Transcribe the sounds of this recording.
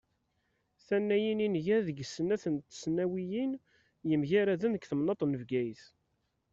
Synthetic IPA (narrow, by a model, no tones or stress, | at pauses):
θænːæjininʝæðəɡsːənæθənt̪snæwijin | jəmʝæɾæðænəkθəmnɑt̪ˤnəvɡæjθ